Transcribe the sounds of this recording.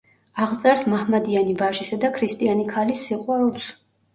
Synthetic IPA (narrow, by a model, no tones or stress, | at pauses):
aʁt̪sʼaɾsmahmad̪ianivaʃisad̪akʰɾist̪ʼianikʰalisːiqʼwaɾulˠs